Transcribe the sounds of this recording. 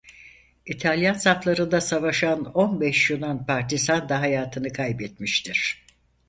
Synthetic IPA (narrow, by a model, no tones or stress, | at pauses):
it̪ʰalʲjansaflˠaɾɯnd̪asavaʃanonbɛʃjunanpʰaɾt̪izand̪aɦajaːt̪ʰɯnɯkʰajbɛt̪miʃt̪ʰiɾ̝̥